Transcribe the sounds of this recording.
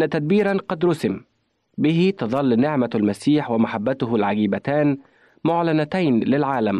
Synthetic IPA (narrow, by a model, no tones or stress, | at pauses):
ʔnːat̪ad̪̚biːɾɑnqɑd̪ɾʊsɪm | bɪɦɪt̪ɑðˤɑlːnɪʕmalmasiːħwɪmaħabːat̪ʊɦʊlʕaɡiːbat̪aːn | mʊʕlanat̪ajnlɪlʕaːlam